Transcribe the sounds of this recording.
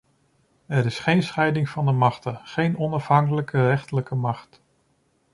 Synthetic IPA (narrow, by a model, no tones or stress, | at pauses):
ɛɾɪsχejnsχɛjdɪŋv̥ɑndəmɑχtəχejnɔnɑfɦɑŋkələkərɛχtələkəmɑχt